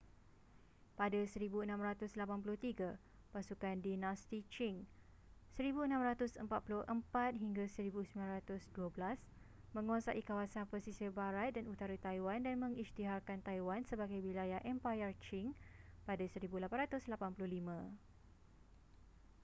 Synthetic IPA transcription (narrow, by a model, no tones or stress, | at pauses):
padasəɾibuənãmɾat̪ʊslapanp̬ulʊht̪iɡa | pasukandinast̪it͡ʃiŋ | səɾibuənãmɾat̪ʊsəmpat̪̚pulʊhʔəmpat̪̚ɦiŋɡasəɾibusmilãnɾat̪ʊsduabəlas | mə̃ŋwasa̰ʔikawasanpəsisibaɾat̪̚danut̪aɾut̪ajwandanmə̃ŋist̪iɦarkant̪ajwansəbaɡajwilajaʔɛmpajərt͡ʃiŋpadasəɾibulapanrat̪ʊslapanpulʊhlimã